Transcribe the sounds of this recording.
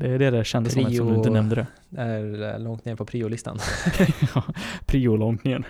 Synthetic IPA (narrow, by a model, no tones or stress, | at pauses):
d̪ɛːɖɛd̪ɛɕɛnd̪əsɔmɛsɔmd̪ɵɪənɛmd̪əɾɛ | d̪ɛæɾlɔŋt̪neːɾpʰɔpʰɾiːʊlɪst̪a̰n | ɑpʰɾiːʊlɔŋt̪nɪŋən